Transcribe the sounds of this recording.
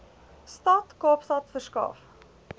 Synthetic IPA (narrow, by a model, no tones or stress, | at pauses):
stɐtkɑːpstɐtfərskɑ̰ːf